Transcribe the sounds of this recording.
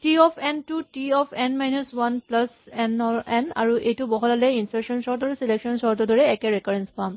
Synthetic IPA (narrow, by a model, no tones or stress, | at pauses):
tiɔpʰɛntutiɔpʰɛnmajnuswanplasɛnɔɛna̰ɹuʔejtubɔɦɔlalɛinsaksɔnsɔɹt̬ɔɹseleksɔnsɔɹtɔdɔɹɛːkɛɹɛkaɹenspam